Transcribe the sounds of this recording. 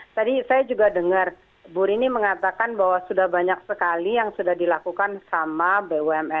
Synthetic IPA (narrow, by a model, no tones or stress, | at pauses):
t̪adisajad͡ʒuɡadəŋər | buɾiniməŋat̪akanbaɦwasudahbaɲak̚səkalijaŋsudahdilakukansamabewɛmɛ